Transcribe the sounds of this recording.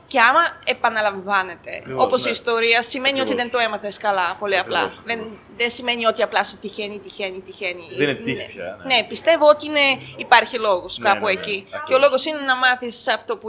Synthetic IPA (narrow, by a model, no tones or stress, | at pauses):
ceɐmɐepɐnɐlɐɱvɐne̞t̪e̞̰o̞po̞siːst̪o̞ɾiɐsime̞nio̞t̪iðent̪oe̞mɐθeskɐlɐpo̞liɐplɐ̰ðen | ðensime̞nio̞t̪iɐplɐsot̪içenit̪içenit̪içeni | ne̞pist̪e̞voot̪iineipɐɾçilo̞ɣoskɐpueciceolo̞ɣo̞sine̞nɐmɐθisɐft̪o̞pu